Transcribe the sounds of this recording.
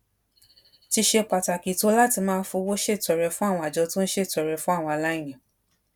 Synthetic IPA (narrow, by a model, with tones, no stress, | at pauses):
ti˧ʃe˧k͡pa˨ta˨ki˨to˨˦la˦ti˧mãː˦˧n̩˦fũ˧wo˦ʃe˦˨tɛ˨ɾɛ˨˧fũ˦a˦˨w̃ɔ̃˧a˨d͡ʒɔ˧˦tũ˦n̩˦ʃe˦˨tɛ˨ɾɛ˨fũ˦a˦˨w̃ɔ̃˧a˨la˦ĩ˦˨j̃ã˨